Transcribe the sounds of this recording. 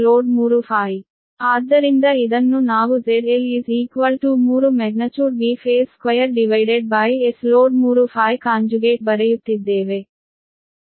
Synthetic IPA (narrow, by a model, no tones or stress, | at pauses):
loːɖmuːɾufaːj | aːd̪ɐɾind̪ɐid̪ɐnːunaːʋuzeɖeliziːkʋɐlʈumuːɾumɛɡnɐt͡ʃuɾbiːfeːskʋɐjɐɾɖiʋajɖeɖ̚bajesloːɖ̚muːɾufaːjkãːnd͡ʒuɡeːʈ̚bɐɾɐjut̪ːid̪eːʋe